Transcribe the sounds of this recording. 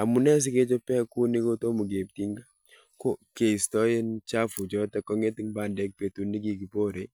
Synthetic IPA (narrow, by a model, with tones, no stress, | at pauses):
a˨mu˨nɛ˦s̬ɪ˦ke˦t͡ʃo˦pɛ˦ku˦nɪ˦ko˦to˦mu˨ɡe˨p̚ti˦ŋɡa˦ | ko˦ke˨i˨stɔ˦je˦nt͡ʃa˦fu˨d͡ʒɔ˦tɛ˦kɔ˦ŋe˦tɪ˦ŋba˨ndɛ˨˦k̚pe˨tu˦nːi˦ɡi˦ɡi˨po˦ɾe˦